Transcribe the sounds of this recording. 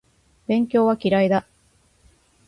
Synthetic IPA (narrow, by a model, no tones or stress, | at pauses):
bẽ̞ŋkʲo̞ːβakʲiɾaid̪a